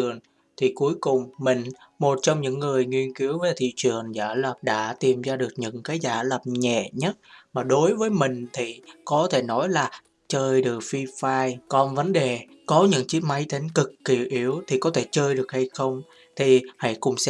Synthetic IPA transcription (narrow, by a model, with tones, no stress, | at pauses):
ɨ˨˩əŋ | t̪ʰi˨˩ku˨˦əjkʊ˨˩ŋ͡mmï˨˩ŋ̟ | mo˨˩t̚t͡ɕɔ˧wŋ͡mɲɨ̰˧˥ŋːɨ˨˩əjŋwi˧ənki˨˦əwvəː˨˦jt̪ʰḭ˧˨t͡ɕɨ˨˩əŋzaː˧˩lə˨˩p̚ɗa̰ː˧˥t̪i˨˩mzaː˧ɗɨ˨˩ək̚ɲɨ̰˧˥ŋkaː˨˦jzaː˧˩lə˨˩p̚ɲɛ̰˧˨ɲə˦˥t̚maː˨˩ɗo˨˦jvəː˨˦jmï˨˩ŋ̟t̪ʰi˨˩kɔ˨˦t̪ʰe˧˩nɔ˨˦jlaː˨˩ | t͡ɕəː˧jɗɨ˨˩ək̚fi˧faː˧jkɔ˧nvə˨˦nɗe˨˩ | kɔ˨˦ɲɨ̰˧˥ŋt͡ɕi˦˥ma˨˦jt̪ʰi˨˦ŋ̟kɨ˨˩kːi˧˩əwʔi˨˦əwt̪ʰi˨˩kɔ˨˦t̪ʰe˧˩t͡ɕəː˧jɗɨ˨˩ək̚ha˧jxə˧wŋ͡m | t̪ʰi˨˩ha̰˧˥jkʊ̰˧˩ŋ͡msɛ̰˧